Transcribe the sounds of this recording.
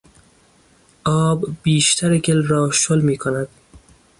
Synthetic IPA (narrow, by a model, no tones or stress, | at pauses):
ʔɒːbːiːʃt̪ʰæɾeɡelɾɒːʃolmiːkʰonæd̪̥̚